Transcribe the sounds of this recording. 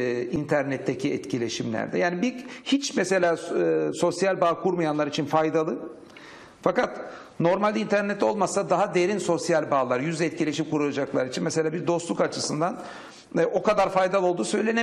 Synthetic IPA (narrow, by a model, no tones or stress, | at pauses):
int̪ʰæɾnɛt̪ʰːecʰiɛt̪cilʲe̞ʃimlʲæ̰ɾd̪ɛjaːnibihit͡ʃmese̞lʲaːso̞sjalʲbaːkʰuɾmajanlˠaɾit͡ʃʰinfajd̪alˠɯ | fakat̪ | no̞ɾmalʲint̪ʰæɾnɛt̪ʰːɛo̞lˠmasad̪aɦad̪eɾinso̞sjalʲbaːlˠaɾjyzlʲɛt̪̚cʰilʲe̞ʃimkuɾulˠad͡ʒaklˠaɾit͡ʃʰinmese̞lʲaːbiɾd̪o̞st̪lˠukat͡ʃʰɯsɯnd̪an | ʔo̞kad̪aɾfajd̪alˠɯo̞lˠd̪uːsø̞jlʲe̞ne